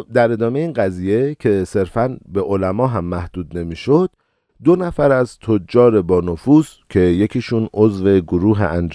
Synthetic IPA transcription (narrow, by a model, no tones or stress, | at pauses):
d̪æɾe̞d̪ɒːmejeiːnɢæziːje̞cʰe̞se̞ɾfænbe̞ʔolæmɒːɦæmːæhd̪̥uːd̪ne̞miːʃod̪̥̚ː | o̞næfæɾæzt̪ʰod͡ʒːɒːɾe̞bɒːnofuːzcʰe̞je̞cʰiːʃuːno̞zve̞ɡoɾuːɦḛʔænd͡ʒ